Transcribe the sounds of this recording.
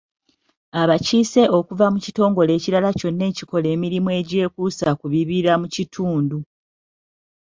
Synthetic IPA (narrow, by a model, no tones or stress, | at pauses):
aβaciːse̞o̞kuvamucito̞ːŋɡo̞le̞ːciɾalaco̞nːe̞ːciko̞le̞ːmiɾimue̞ːɟe̞ːkuːsakuβiβiɾamucitʰuːndu